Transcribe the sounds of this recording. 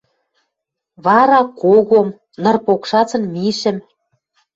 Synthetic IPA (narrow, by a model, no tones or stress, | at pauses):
βɑɾɑkoɣom | nɤ̆rpokʃɑt͡sɤ̆nmiʃɘ̆m